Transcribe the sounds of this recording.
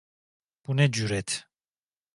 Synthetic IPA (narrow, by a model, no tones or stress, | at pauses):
b̥unɛd͡ʒuɾɛt̪ʰ